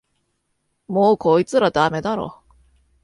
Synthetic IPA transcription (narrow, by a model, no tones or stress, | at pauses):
moːkʰo̞it͡sɨɾad̪ame̞d̪aɾo̰